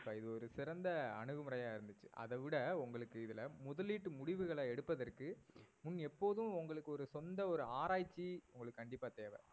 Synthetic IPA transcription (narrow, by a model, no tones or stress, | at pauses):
pːaːɪðɯɔɾɯsɪɾɐnd̪ɐɐnɯɣɯmɯɾɐjaːɪɾɯnd̪ɯt͡ʃːɯʔɐ̰ðɐʋɪɽɐʊŋɡɐɭɯkːɯɪðɯlɐmʊðɐlːiːʈːɯmʊɽɪʋɯɣɐɭɐɛɽɯpːɐðɐrkɯmʊnːɛpːoːðɯ̃ʊŋɡɐɭɯkːɯɔɾɯsɔnd̪ɐɔɾɯaːɾaːjt͡ʃːiʊŋɡɐɭɯkːkɐɳɖɪpːaːt̪eːʋɐ̰